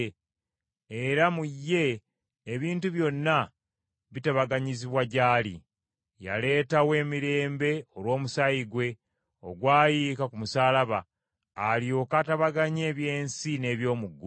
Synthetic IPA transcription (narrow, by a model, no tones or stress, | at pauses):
eɾamujːe̞ː | βiːntuβjo̞nːa | βitaβaɡaɲiziβwaɟaːlḭ | ja̰le̞ːtawe̞ːmiɾe̞ːmbe̞o̞lwo̞ːmusajiɡwe̞ | o̞̰ɡwaːjikakumusaːlaβaː | ljo̞ːkataβaɡaɲe̞ːβje̞ːnsine̞ːβjo̞ːmuɡːu